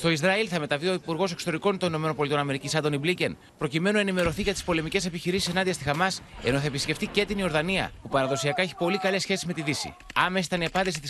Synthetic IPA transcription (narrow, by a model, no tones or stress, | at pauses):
st̪o̞izɾɐilθɐme̞t̪ɐvio̞ipuɾɣo̞se̞kso̥t̪o̞ɾiko̞nt̪onino̞me̞no̞npo̞lit̪o̞nɐme̞ɾicisɐnd̪o̞niblicen | pɾo̞cime̞nunɐenime̞ɾo̞θiʝɐt̪ispo̞le̞mice̞se̞piçiɾisisenɐnðiɐst̪ixɐmɐse̞̰no̞θɐe̞pisce̞ft̪icet̪inio̞ɾðɐniɐ̰pupɐɾɐðo̞siɐkɐe̞çi̥po̞likɐle̞sçe̞sizme̞t̪iðisḭɐme̞s̬i̥t̪ɐniɐpɐnd̪isit̪is